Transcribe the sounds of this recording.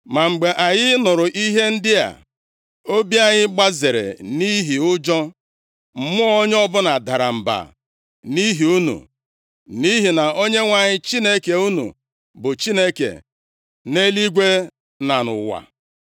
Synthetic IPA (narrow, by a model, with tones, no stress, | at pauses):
ma˨ŋ͡m̩˨ɡ͡be˨ʔa˨ɲɪ˦nʊ˨ɾʊ˨ʔi˦ɦe˦n̩˦dɪ˦a̰˨ | o˦bi˦a˦ɲɪ˦ɡ͡ba˦ze˨ɾḛ˨ni˦ɦi˨ʊ˦d͡ʒɔ˦ | m̩˨˦mʊ˦ɔ˦ɲ˦ɔ˦bʊ˦na˨da˨ɾa˨m̩˨ba̰˨ | ni˦ɦi˨u˦nṵ˨ | ni˦ɦi˨na˨o˦ɲe˦ŋʷa˨ɲɪ˦t͡ʃi˦ne˦ke˨u˦nṵ˨ | bʊ˨t͡ʃi˦ne˦kḛ˨ | ne˦li˦ɡʷe˦ | na˨nʊ̰˨wa̰˨